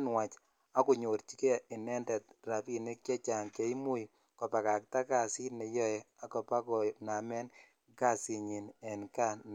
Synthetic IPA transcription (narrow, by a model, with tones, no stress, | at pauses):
nwa˨t͡ʃ | a˦ku˨ɲo˨ɾt͡ʃi˦ke˦i˨nɛ˦ndɛ˨t̚ra˨pi˦˨ne˦kje˦t͡ʃa˨ŋke˦i˦mu˦j | kɔ˨pa˨ka˨k̚ta˦ka˨si˦nɛ˨jɔ˦ɛ˨a˨kɔ˨pa˦kɔ˨na˨mɛ˦n | ka˦˨si˨ɲi˨nɛ˨nka˦n